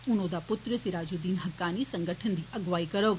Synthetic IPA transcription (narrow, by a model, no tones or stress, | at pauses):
ʊnõd̪apʊt̪ɾəsiɾaːd͡ʑuːd̪iːnɦɐkːaːnisɐ̃ŋɡʱəʈʰənd̪iːʔɐɡʋaːikɐɾoːɡ